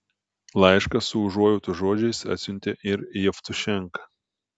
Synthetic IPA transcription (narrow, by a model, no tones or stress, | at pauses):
lˠɐˑɪʃkɐsːʊʊʒuɔjʊːt̪ʊʒoɔd͡ʒʲɛɪsɐ̰t̪ʲsʲʊnʲt̪ʲeːʔɪɾijɛft̪ʊʃʲɛŋˑkɐ